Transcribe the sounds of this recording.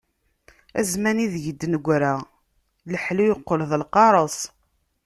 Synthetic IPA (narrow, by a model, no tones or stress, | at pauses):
æ̰zmæniðʝəd̪ːnəɡʷɾa | ləħlujəqːolðˤəlqɑɾˤəs